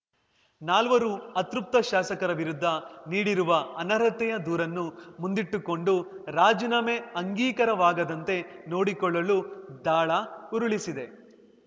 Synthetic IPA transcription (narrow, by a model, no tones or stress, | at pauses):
naːlʋɐɾuɐt̪ɾup̚t̪ɐʃaːsɐkɐɾɐʋiɾud̪ʱːɐniːɽiɾuʋɐɐnɐɾɐt̪ɛjɐd̪uːɾɐnːumund̪iʈːuko̞ɳɖuɾaːd͡ʒinɐmeɐŋɡiːkɐɾɐʋaːɡɐd̪ɐnt̪e̞no̞ːɽikɔɭːɐlud̪aːɭɐuɾuɭisid̪e̞